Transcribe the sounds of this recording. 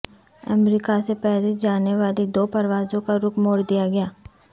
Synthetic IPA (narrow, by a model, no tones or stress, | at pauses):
ɐ̰mɾiːkasepɛɦled͡ʒaːneʋaːlid̪oːpɐɾʋaːzõkaɾʊkmoːɽd̪ijaɡɐjaː